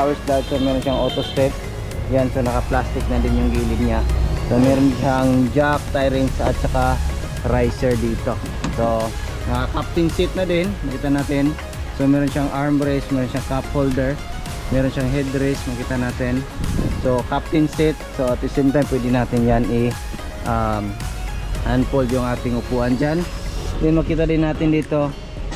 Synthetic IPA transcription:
awɛsd̪aad̪somɛːɾonʃaŋʔoːt̪ost̪ɾɪp̚ | jansonɐkɐplast̪ɪk̚nɐd̪ɪnjʊŋɡiːlɪɡɲaso̞mɛːɾonʃaŋd͡ʒak̚t̪ajɾɪŋsɐ̰t̪̚t͡ʃɐka | ɾajsɛɹd̪iːt̪o̞ | so | nɐakap̚t̪ɪnsɪt̪̚nɐd̪ɪnmɐkiːt̪ɐnaːt̪ɪn | somɛːɾonʃaŋʔaɹmɾɛsmɛːɾonʃaŋkap̚hold̪ɛɹ | mɛːɾonʃaŋɦɛd̪ɾɪsmɐkiːt̪ɐnaːt̪ɪnsokap̚t̪ɪnsɪt̪̚soɐt̪̚dɪsɛjmt̪ajmpwɛd̪ɪnaːt̪ɪnjanɪ | ʔam | ʔanpoljʊŋʔaːt̪ɪŋʊpuːʔɐnd͡ʒand̪ɛnmɐkiːt̪ɐd̪ɪnːaːt̪ɪnd̪iːt̪o̞

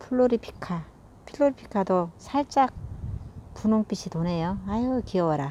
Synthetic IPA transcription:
pʰuɭːoɾipʰi̥kʰa | pʰiɭːoɾipʰi̥kʰadosʰaɭt͡ɕ͈ak̚ | punoŋp͈iɕʰitone̞joajokiʌwʌɾa

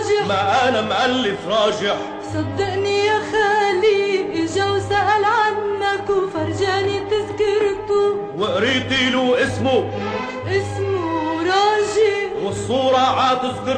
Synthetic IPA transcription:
ʒɪmaʕʔanamʔalːɪfɾˤɑːʒɪħ | sˤɑd̪ːɪʔnijaxaːlːiʔɪʒawsaʔalʕanːakwfɑɾˤd͡ʒaʕnit̪ɪzkɪɾt̪u | wɪʔɾiːt̪ˤiluʔɪsmu | ʔɪsmʊɾˤɑːʒɪħwɪsˤːuːɾˤɑʕat̪ɪzkɪɾ

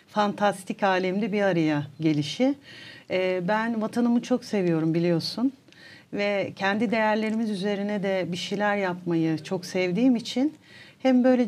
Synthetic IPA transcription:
fant̪ʰast̪ʰicaːlʲɛmd̪ɛbiaɾajaɟe̞lʲiʃɪ | bænvat̪ʰanɯmɯt͡ʃʰo̞kse̞vijo̞ɾumbilʲijo̞sun | vɛcʰɛnd̪id̪e̞jæɾlʲe̞ɾimizyze̞ɾinɛd̪ɛbiʃijlʲæɾjapmajɯt͡ʃʰo̞ksɛvd̪iːmit͡ʃʰinhɛmbø̞jlʲe

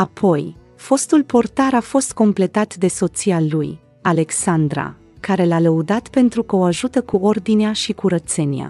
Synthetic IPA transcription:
apʰo̞j | fo̞st̪ulpo̞rt̪aɾafo̞st̪̚ko̞mple̞t̪at̪d̪e̞so̞t̪sialuj | ale̞ksand̪ɾa̰ | kaɾe̞laləud̪at̪pe̞nt̪ɾukəo̞aʒut̪əkuo̞rd̪ineaʃikuɾət̪se̞nia̰

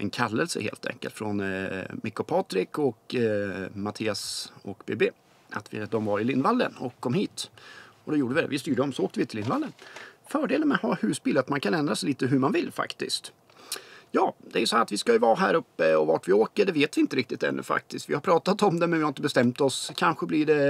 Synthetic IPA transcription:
ʔɛnkʰalːəlsə̰hḛːlt̪ʰɛ̰ŋkəlt̪fɾɔnmɪkːʊpʰɑːt̪ɾɪkɔk | mat̪ʰiːasɔkbeːbeː | a̰t̪vɪ̰d̪ɔmvaɾɪlɪnvalːə̰nɔkʰːɔmhiːt̪ɔd̪ɛjuːɖəvɪd̪ɛ̰vɪst̪yːɖəd̪ɔmsɔoːk̚t̪əvɪt̪ʰɪlɪnvalːənfœːɖeːlənmɛhɑːhʉ̟ːsbiːlat̪mankʰanɛnd̪ɾasɛɪjliːt̪əɦɵɾmanvɪlːfa̰kt̪ɪ̰st̪ | jɑːd̪̥ɛæɾjʏsɔhæːɾat̪vɪskajɵvɑːɦæːɾɵpːəɔvaʈvɪoːkəɖɛveːt̪vɪɪnt̪əɾɪkt̪ɪt̪ɛ̰nːɵ̰fa̰k̚t̪ɪst̪vɪhaɾpʰɾɑːt̪at̪ɔmd̪ɛmɛnvɪhaɾɪnt̪əbɛst̪ɛmt̪ɔskʰanɧəblɪɖɛ

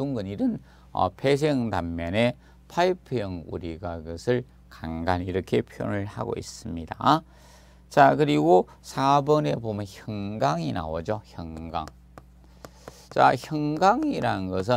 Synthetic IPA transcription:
tuŋɡɯniɾɯn | ʌ̰pʰe̞s̬ʰeŋdamːʌne̞ | pʰaipʰɯjʌŋṵɾiɡaiɡʌsʰɯɭ | kaŋɡaniɾʌkʰe̞pʰjo̰nɯɭha̰ɡo̰ḭs͈ɯmɲida | t͡ɕakɯɾiɡo | sʰabʌne̞bomjʌnçjʌŋɡaŋina̰wʌd͡ʑoçjʌŋɡa̰ŋ | t͡ɕa̰çjʌŋɡaŋiɾanɯnɡʌs̬ʰɯ

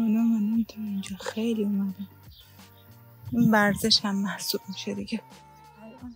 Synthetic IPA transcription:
ɔnomanumt̪ʰɔind͡ʒɒːxejliumæd̪æm | invæɾzeʃhæmːæhsuːb̥̚miʃed̪iɡe

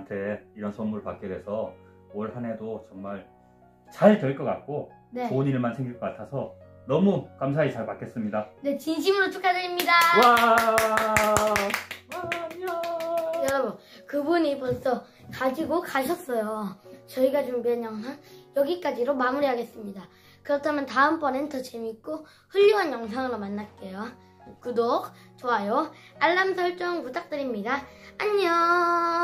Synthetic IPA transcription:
ntʰe̞iɾʌnsʰʌnmuɾɯɭpak̚k͈e̞dwe̞sʰʌ | ʌɭhanedot͡ɕʌŋmaɭ | t͡ɕaɭtweɭk͈ʌk͈a̰t̚k͈oneoɲiɾɯɭmansʰeŋɡiɭk͈ʌk͈atʰasʰʌ | nʌmukamsʰait͡ɕaɭpak͈ʰe̞s͈ɯmɲidane̞t͡ɕinɕ̬ʰimɯɾot͡ɕʰuk͈adeɾimɲidawa | jʌɾʌbunkɯbuɲipons͈ʌ | kad͡ʑiɡokaɕʰʌs͈ʌjot͡ɕʌiɡat͡ɕumbiɦanjʌŋsʰaŋjʌɡik͈ad͡ʑiɾomamuɾiɦaɡe̞s͈ɯmɲida | kɯɾʌtʰamjʌntaɯmpʰʌne̞ntʰʌt͡ɕemik͈o | hɯʎːuɦanjʌŋs̬ʰaŋɯɾomanːat̚k͈e̞jo | k͈udok̚ | t͡ɕoajo | aɭːamsʰʌɭt͡ɕ͈oŋmut͈ʰak̚t͈ɯɾimɲidaːɲʌ

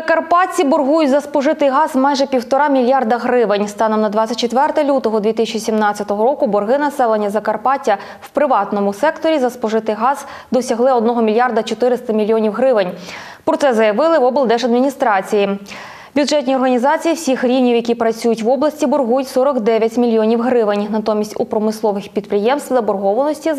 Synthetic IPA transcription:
ɐkɐrpɑt͡sʲːibɔrɦujʊtʲzɐspɔʒɪt̪ɪjɦɑzmɑjʒɛpʲiwt̪ɔɾɑmʲilʲjɑrd̪ɐɦɾɪʋɪnʲst̪ɑnɔmnɐd̪ʋɑt͡sʲːɐt̚ʲt͡ʃːet̪ʋɛrt̪ɛlʲut̪ɔɦɔd̪ʲʋʲit̪ɪsʲt͡ʃisʲimnɑt͡sʲɐt̪ɔɦɔɾɔkʊbɔrɦɪnɐsɛlˠenʲːɐzɐkɐrpɑtʲːɐ | wpɾɪʋɑt̪nɔmʊsɛkt̪ɔɾʲizɐspɔʒɪt̪ɪɦɑz | d̪ɔsʲɐɦlˠɪɔd̪nɔɦɔmʲilʲjɑrd̪ɐt͡ʃɔt̪ɪɾɪst̪ɐmʲilʲːjɔnʲiwɦɾɪʋɪnʲ | pɾɔt̪sɛzɐjɐʋɪlˠɪʋɔbɨlˠd̪ɛʒɐd̪mʲinʲist̪ɾɑt͡sʲiji | bʲʊdʐɛt̪ʲnʲiɔrɦɐnʲizɑt͡sʲijiwsʲixɾʲiwnʲiwjɐkʲipɾɐt͡sʲujʊtʲʋɔblˠɐsʲtʲibɔrɦujʊtʲsɔɾɔkd̪ɛʋʲjɐtʲmʲilʲjɔnʲiwɦɾɪʋɪnʲnɐt̪ɔmʲisʲtʲupɾɔmɪslˠɔʋɪxpʲid̪̚pɾɪjɛmst̪ʋzɐbɔrɦɔʋɐnɔsʲtʲi

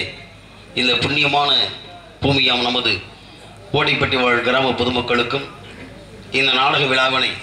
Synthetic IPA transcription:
ɪnd̪ɐpʊɳːɪjɐmaːnɐ | b̥uːmɪjaːmnɐmɐðɯ | oːʈːɐɪpːɐʈriʋaːɻɐkɪɾaːmɐpɔðɯmɐkːɐɭɯkːɯm | ɪnd̪ɐnaːɽɐɣɐʋɪɭaːʋɐnɐɪ

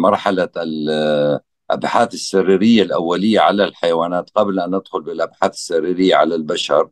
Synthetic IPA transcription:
mɑɾˤħalal | ʔa̰bħaːθɪsːarːiːɾɪjːalʔawːalɪjːaʕalalħajawaːnaːt̪qablʔanʔɪd̪xʊlbɪlʔabħaːθɪ̥sːarːiːɾɪjːaʕa̰lalbaʃɑɾˤ

